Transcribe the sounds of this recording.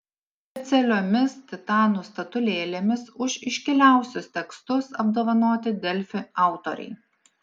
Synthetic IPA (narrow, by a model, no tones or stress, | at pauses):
ɛt̪sʲɛlʲoːmʲɪst̪ʲɪt̪ɑːnuːst̪ɐt̪ʊlʲeːlʲeːmʲɪsʊʃɪʃʲkʲɪlʲæˑʊsʲʊst̪ʲɛkst̪ʊsɐbd̪oːʋɐnoːt̪ʲɪd̪ʲɛlʲfʲɪɑˑʊt̪oɾʲɛ̰ɪ